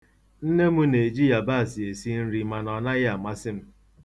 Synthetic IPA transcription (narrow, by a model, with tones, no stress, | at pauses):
n̩˦ne˦mu˦ne˨d͡ʒi˦ja˨ba˦a˨si˨e˨si˦n̩˦ɾi˦ma˨nɔ˨na˦ɣɪ˦a˨ma˦sɪ˦m̩˦